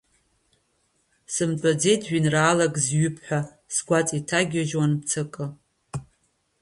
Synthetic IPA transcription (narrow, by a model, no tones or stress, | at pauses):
sɨmʈ͡ʂʷʼad͡ze̞jtʰɥʷinraːlakʼzɥʏpʰħʷᶣa | sɡʷat͡sʼitʰaɡʲaʒwanp̚t͡sʰɨkʼɨ